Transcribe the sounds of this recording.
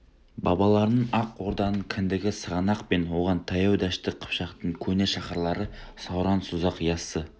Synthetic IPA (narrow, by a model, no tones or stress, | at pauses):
bɑ̰bɑlˠɑɾənəɴɑqwo̞ɾd̪ɑnəɴkʲʰɪnd̪ɪɡʲɪsəʁɑnɑqpe̞nwo̞ʁɑnt̪ʰɑjɑwd̪æʃt̪ɪqʰə̥pʃɑqt̪əɴkʲʰɵne̞ʃɑχɑɾlˠɑɾəsɑwɾɑnsʊzɑqjɑsːə